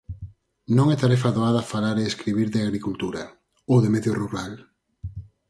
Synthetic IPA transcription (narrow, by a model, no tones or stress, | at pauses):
nõŋɛt̪aɾɛfaðoaðɐfalaɾeeskɾiβiɾðɪaɣɾikult̪uɾɐ | owðemɛðjoruɾal